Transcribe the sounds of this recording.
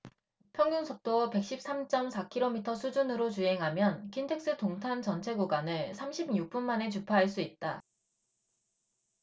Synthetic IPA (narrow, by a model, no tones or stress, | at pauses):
pʰjʌŋjuŋsʰok̚t͈ope̞k̚ɕ͈ip̚s͈amt͡ɕ͈ʌmsʰakʰiɾomitʰʌsʰud͡ʑunɯɾot͡ɕuɦe̞ŋɦamjʌnkʰintʰe̞k̚s͈ɯtoŋtʰant͡ɕʌnt͡ɕʰeɡuɡwanɯɭsʰamɕʰibɲuk̚p͈unmane̞t͡ɕupʰaɦaɭs̬͈uit̚t͈a